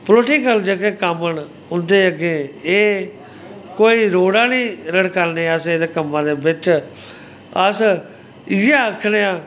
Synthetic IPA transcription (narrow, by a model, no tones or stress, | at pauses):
ploʈiːkəld͡ʒəkeːkəməɳ | ʊnd̪eːəɡẽːeː | koːiːɾoːɽãːnĩːɾəɽkəɾnẽːəseːd̪eːkəmːãːd̪eːbɪt͡ʃ | əs | ɪjaːəkʰːɽeːãː